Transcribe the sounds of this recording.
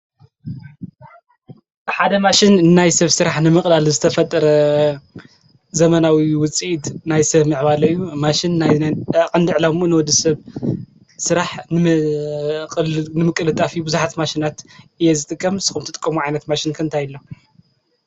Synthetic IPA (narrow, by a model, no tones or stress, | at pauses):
ħad̪ɐmaʃɪnːajsɐβsɨɾaħnɨmɨkʼlalzɨt̪ʰɐfɐt̪ʼːɐɾɐ | zɐmɐnawiwʊt͡sʼiit̪najsɐβmɨʕβalɐɨjːumaʃɪnːakʼɨnd̪iʕlamʔɨnwɔd̪isɐβ | sɨɾaħnɨ | nɨmɨkʼɨlɨt̪ʼːafibɨzuħat̪maʃinat̪ʔɨjezɨt̪ʼɨkʼːɐmsɨ̥xumt̪ʰɨt̪ʼkʼːɐmuʕajnɐt̪maʃɪnkʰɨnt̪ʰajɪlːo